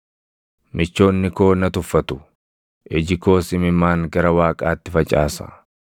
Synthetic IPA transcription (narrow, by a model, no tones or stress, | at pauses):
mɪt͡ʃːo̞ːnːɪko̞ːnɐt̪ʊfːɐt̪ʊ̥ | ʔɛd͡ʒɪko̞ːsɪmɪmːaːŋɡɐɾɐwaːkʼaːt̪ːɪfɐt͡ʃʼa̰ːsɐ̰